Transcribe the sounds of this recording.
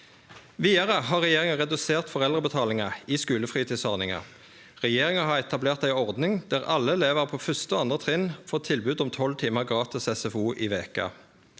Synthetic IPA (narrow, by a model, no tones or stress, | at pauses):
ʋiːɑʁəɦɑːʁɛjeːʁɪŋɑʁɛd̪ʉseːʁt̪fɔʁɛld̪ʁəbət̪ʰɑːlɪŋɑiːskʉːləfʁiːt̪ʰiːsɔʁnɪŋɑ̰ | ʁɛjeːʁɪŋɑɦɑːɛt̪ʰɑbleːʁt̪æɪɔʁd̪nɪŋd̪̥æːʁɑlːəleːʋəʁpʰoːfʏst̪əoːɑnd̪ʁət̪ʰʁɪnfoːt̪ʰɪlbʉːd̪ʊmt̪ʰɔlt̪ʰiːməʁɡʁɑːt̪ɪsɛsɛfuːʔiːʋeːkə̰